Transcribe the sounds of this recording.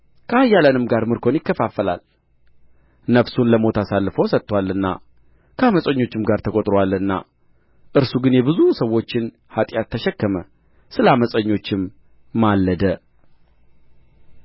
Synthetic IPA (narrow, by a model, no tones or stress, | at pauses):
kʰəajːalənɨmɡaɾmɨɾkʰo̞njɪkːəfafːəla̰l | nəfsunləmo̞t̪ʰasalːɨfəwsət̪ːwalːɨnːa̰ | kʰəaməsʼəɲːo̞t͡ʃːɪmɡaɾt̪ʰəkʼot̪ʼɾowalɨnːa̰ | ʔɨɾsuɡɨnjɛbɨzusəwːo̞t͡ʃːɪn | hat̪ʼjat̪ʰːəʃɛkːəmə | sɨləaməsʼəɲːo̞t͡ʃːɪmː | alːəd̪ə